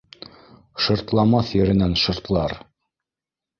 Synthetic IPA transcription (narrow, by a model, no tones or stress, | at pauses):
ʃŏɾt̪lˠɑmɑθjɘ̆ɾɘ̆nænʃŏɾt̪lˠɑɾ